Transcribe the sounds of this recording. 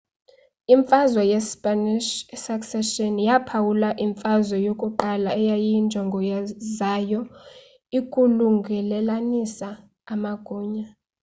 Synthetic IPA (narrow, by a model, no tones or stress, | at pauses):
iɱfʼazwajɛspʼaniʃsaksɛʃɔnjapʰawulaʔiɱfazwɔjokʼuǃalaɛjajind͡ʒʱɔŋɡʱɔjazajɔ | ikʼuluŋɡʱɛlɛlanisaː | maɡ̥ʱuːɲa